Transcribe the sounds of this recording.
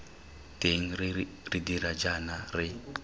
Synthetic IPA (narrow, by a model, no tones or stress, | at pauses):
teŋ̩ri | ridiɾad͡ʒanarɪ